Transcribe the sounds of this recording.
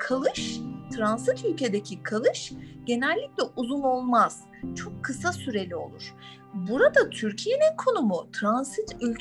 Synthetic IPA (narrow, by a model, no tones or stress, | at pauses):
kʰalˠɯʃt̪ʰɾansit̪ylʲcʰe̞d̪ecʰikʰalˠɯʃɟ̥e̞nɛlʲːiclʲɛʔuzuno̞lˠmaz̥ | t͡ʃʰo̞kʰːɯsasyɾe̞lʲio̞̰lˠṵɾ̥ | buɾad̪at̪ʰyɾcʰije̞ninkʰo̞numut̪ʰɾansit̪ʰylʲ